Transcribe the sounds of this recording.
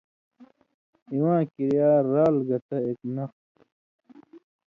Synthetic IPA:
iwãːkiɾijaːɾaːlɡɐt̪ɐeknɐxt̪

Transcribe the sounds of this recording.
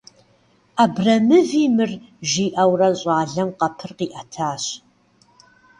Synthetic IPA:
ʔabrɐmɨviːmɨrʒiːʔɐwrɐɕʼɑːɮɐmqɐpʰɨrqiːʔɐtʰaːɕ

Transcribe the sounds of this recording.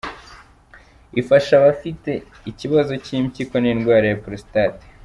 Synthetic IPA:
ifaʃaβafite̞ | iciβazo̞cimciko̞niːnɡwaːɾajapuɾosi̥tate̥

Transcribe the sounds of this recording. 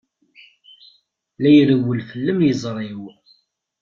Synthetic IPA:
læjɾəwəlfəlːəmjəzˤɾˤew

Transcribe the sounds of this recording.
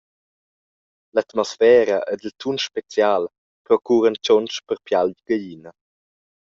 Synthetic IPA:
lat̪mɔsfɛːɾəʔed̪əlt̪ʰunʃpet͡sjaːl | pɾɔkuːɾənt͡ʃɔnt͡ʃpəɾpjalɟɡajinə

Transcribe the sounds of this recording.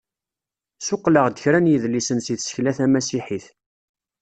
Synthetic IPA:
sʊqːləʁd̪əçɾænjəðlisənsiθsə̥çlæθæmæsiħiθ

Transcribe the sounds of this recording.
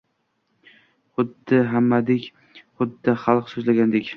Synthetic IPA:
χʊd̪ːɪɦamːad̪ekʲ | χʊd̪ːɪχalˠqsozlaɡʲand̪ekʲ

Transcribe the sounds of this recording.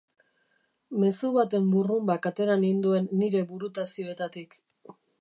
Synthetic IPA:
me̞suβat̪e̞mburumbakat̪e̞ɾanind̪ue̞nːiɾe̞βuɾut̪asio̞e̞t̪at̪ik

